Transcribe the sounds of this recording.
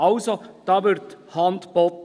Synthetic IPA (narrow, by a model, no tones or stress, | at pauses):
ɑlsod̪̥ɑːʋʏɾt̪hɑnt̪bɔt̪